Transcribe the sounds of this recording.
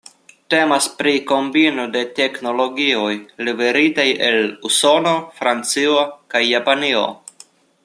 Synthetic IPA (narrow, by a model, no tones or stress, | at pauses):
te̞maspɾiko̞mbinode̞te̞kno̞lo̞ɡio̞jlive̞ɾitaje̞luso̞nofɾant͡siokajːapanio̞̰